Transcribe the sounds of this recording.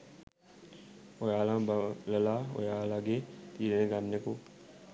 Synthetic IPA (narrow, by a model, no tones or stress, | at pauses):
ojaːlãləlaːo̰jaːlaːɡeːt̪iːɾenẽɡannekoː